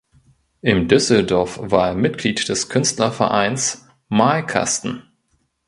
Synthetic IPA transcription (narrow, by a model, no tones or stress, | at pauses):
ʔɪmdʏsl̩dɔɐfv̥aːɐeːɐmɪt̚ɡ̥liːtd̥ɛskʰʏnstlɐfɛɐʔa̰ɪns | malkʰa̰stn̩